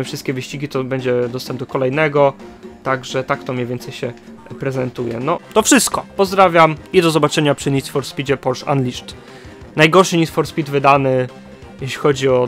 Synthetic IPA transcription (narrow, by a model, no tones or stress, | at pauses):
ɘfʂɨst̪kʲɛvɘɕt͡ɕiɡʲit̪ɔbɛɲd͡ʑɛd̪ɔst̪ɛmbd̪ɔkɔlɛjnɛɡɔt̪aɡʐɛt̪ak̚t̪ɔmʲɲevʲjɛnt̪sɛjɕɛ | pɾɛzɛnt̪ujɛ̰nɔt̪ɔfʂɘst̪̚kɔpɔzd̪ɾavʲjamid̪ɔzɔbat͡ʂɛɲapʂɘɲʲisfɔɾspʲid͡ʑɛpɔɾʂa̰nlʲiʂt | najɡɔɾʂɘɲʲisfɔɾspʲid̪vɘd̪anɘ | jɛɕlʲixɔd͡ʑiɔ